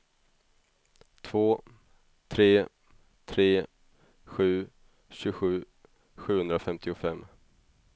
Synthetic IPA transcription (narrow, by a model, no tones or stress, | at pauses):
t̪ʰvoː | t̪ʰɾeː | t̪ʰɾeː | ɧʉ̟ː | ɕɵɡɧʉ̟ː | ɧʉ̟ːhɵnd̪ɾafɛmt̪ʰɪʊfɛmː